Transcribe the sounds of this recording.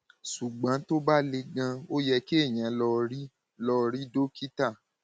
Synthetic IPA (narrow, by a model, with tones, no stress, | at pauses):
su˨ɡ͡bã˨˦to˦ba˦le˧ɡã˧o˦jɛ˧ki˦e˦˨j̃ã˨˦lɔ˧ɾi˦ | lɔ˧ɾi˦do˦ki˦ta˦˨